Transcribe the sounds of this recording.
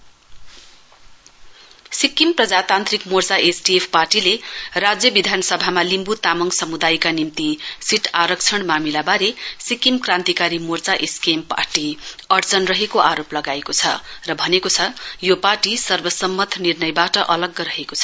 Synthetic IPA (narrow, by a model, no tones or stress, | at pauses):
sikimprʌd͡zat̪ant̪rikmort͡saʔesʈiepʰparʈilerad͡zjʌbid̪ʱanʌsʌbʱamalimbut̪amʌŋsʌmud̪ajkanimt̪isiʈʰaɾʌk̚t͡sʰʌɳmamilabaɾesikimkrãnt̪ikaɾimort͡saʔeskempa̰rʈiʌrt͡sʌnrʌɦekoʔaɾoplʌɡaekot͡sʰʌ̰rʌbʱʌnekot͡sʰʌjoparʈisʌrbʌsʌmːʌt̪ʰnirnʌjbaʈʌʔʌlʌɡːʌɾʌɦekot͡sʰʌ